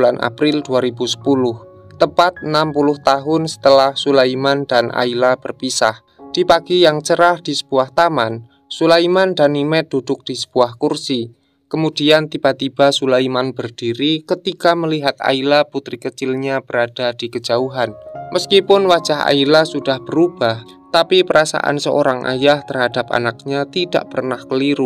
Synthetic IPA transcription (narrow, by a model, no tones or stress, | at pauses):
lanʔa̰pɾɪlduaɾibusə̥pulʊh | t̪əpat̪̚ənampulʊht̪aɦʊnsə̥t̪əlahsulaimandanʔa̰ilab̥ərpisa̰h | d̥ipaɡijaŋt͡ʃəɾahd̥isə̥b̥uaht̪aman | sulaimandanimɛt̪̚d̥ud̥ʊk̚d̥isə̥b̥uahkursi | kəmud̥iant̪ib̥at̪ib̥asulaimanbərd̥iɾikət̪ikaməliɦat̪̚a̰ilaput̪ɾikət͡ʃɪlɲab̥əɾad̥ad̥ikəd͡ʒauɦanmʔəskipʊnwḁd͡ʒ̥aɦa̰ilasud̥ahb̥əɾub̥ah | t̪apipəɾasa̰ʔa̰nsəʔo̰ɾaŋʔa̰jaht̪ərhad̥apa̰nak̚ɲat̪ida̰ʔpərnahkəliɾu